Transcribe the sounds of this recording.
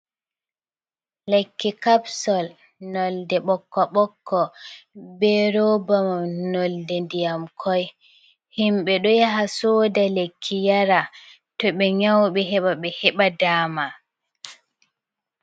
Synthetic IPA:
lekːikapsɔl | nɔldɛɓɔkːɔɓɔkːɔ | bɛɾɔbamanɔldɛndijamkʰɔj | himɓɛɗɔjaɦasɔdalekʰːijaɾa | tɔɓɛɲawɓɛɦɛɓaɓɛhɛɓadaːma

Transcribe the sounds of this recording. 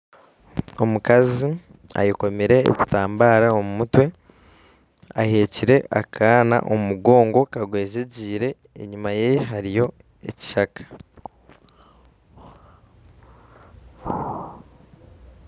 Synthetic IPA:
omukazi | a̰jiko̞meɾe̞̰ːci̥taːmbaːɾaomumutwe̞ | ahe̞ːciɾe̞ʔakʰaːna̰ʔomumuɡo̞ːŋɡo̞kaɡwe̞ːʒeɟiːɾe̞ː | ɲumajeɦaɾijo̞ | eci̥ʃakḁ

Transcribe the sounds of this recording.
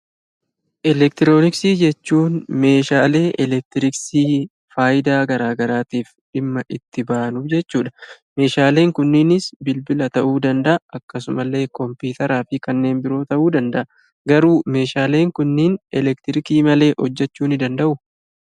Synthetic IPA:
ʔɛlɛk̚t̪ɪɾo̞ːnɪksiːd͡ʒɛt͡ʃːuːnme̞ːʃaːle̞ːʔɛlɛk̚t̪ɪɾɪksiː | faːjɪd̪aːɡɐɾaːɡɐɾaːt̪iːf | ᶑɪmːɐʔɪt̪ːɪbaːnʊd͡ʒɛt͡ʃːuːᶑɐ̥ | me̞ːʃaːle̞ːŋkʊnːɪnɪsbɪlbɪlɐt̪ɐʔuːd̪ɐnd̪ɐʔɐɐkːɐsʊmɐlːe̞ːkɔmpiːt̪ɐɾaːfɪkɐnːe̞ːnbɪɾo̞ːt̪ɐʔuːd̪ɐnd̪ɐʔɐ | ɡɐɾuːme̞ːʃaːle̞ːŋkʊnːɪnɛlɛkt̪ɪɾɪkiːmɐle̞ːʔhɔd͡ʒːɛt͡ʃːuːnɪd̪ɐnd̪ɐʔʊ

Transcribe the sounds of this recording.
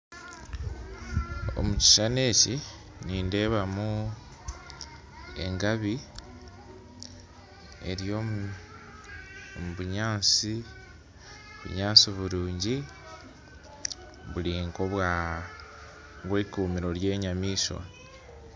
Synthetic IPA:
o̰muci̥ʃane̞ːci | niːnde̞ːβamu | e̞̰ŋɡaβi | e̞̰ɾjo̞ | βuɲaːnt͡si | βṵɲaːnsiβuɾuːɲɟi | βuliŋkoβwa | βwekuːmiɾo̞lje̞ːɲamiːʃwa̰

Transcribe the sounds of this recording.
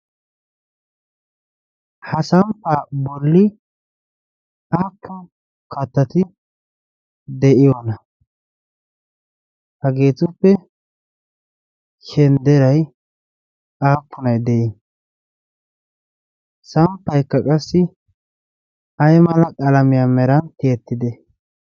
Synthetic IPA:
hɐsɐmpːaːbɔlːɪ | aːpːʊn | kʰɐt̪ːɐt̪ɪ | d̪ɛʔɪjɔnɐ | hɐɡe̞ːt̪ʊpːɛ | ʃɛnd̪ɛɾɐj | aːpʰːʊnɐjd̪ɛʔɪ | sɐmpːɐjkːɐkʼɐsːɪ | ɐjmɐlɐkʼɐlɐmɪjamɛɾɐnt̪ɪɛt̪ːɪd̪ɛ

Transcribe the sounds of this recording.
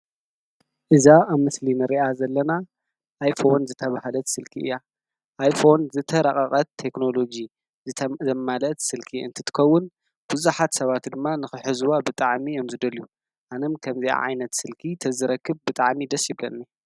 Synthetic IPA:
ʔɨzaaβmɨslinɨɾiʔazɐlːɐna | ʔajfo̞nzɨt̪ʰɐβahalɐt̪sɨlkʰiʔɨ̰jːa | ʔajfo̞nzɨt̪ʰɐɾɐχʼɐχʼɐt̪ʰːe̞kno̞lo̞d͡ʒi | zɐmalɐt̪sɨlkʰiɨ̰nt̪ʰɨt̪ʰɨ̥kʰɐwːʊn | b̥uzuħat̪sɐβat̪d̪ɨmːanɨxɨħɨzwabɨt̪ʼaʕmijomzɨd̪ɐlju | ʔanɐmkʰɐmzia̰ʕa̰jnɐt̪sɨlkʰit̪ʰɐzɨɾɐkʰːɨbbɨt̪ʼaʕmid̪ɐsjɪβlɐ̰nːi

